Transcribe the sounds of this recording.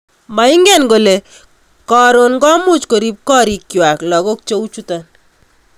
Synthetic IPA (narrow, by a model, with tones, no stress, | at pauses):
ma˨ɪ˦ŋɡɛ˦˨nɡo˨le˨ | kɔ˨ɾo˨nɡɔ˦mʊ˦t͡ʃko˨ɾi˦p̚kɔ˦ɾi˨kjwa˨klɔ˨kɔ˦k̚t͡ʃo˦wt͡ʃu˦ta˨n